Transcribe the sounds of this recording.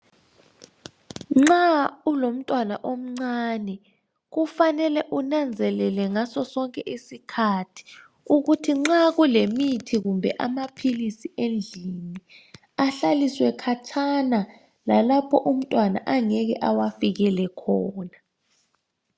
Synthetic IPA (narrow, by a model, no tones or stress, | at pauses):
ŋ͡ǁaulom̩tʼwanaʔom̩ŋ͡ǀanɛ | ɣufanɛlɛʔunand͡zʱɛlɛlɛŋasɔsɔŋkʼɛʔisikʰatʰi̥ | uɣutʰiŋ͡ǁaɣulemitʰiɣumbʱɛ̰ʔa̰mapʰilisiʔend͡ɮʱini | aɬaliswɛkʰat͡ʃʰana | lalapʰɔʔum̩tʼwana̰ʔaŋɛɣɛ̰ʔawafiɣɛlɛkʰɔːna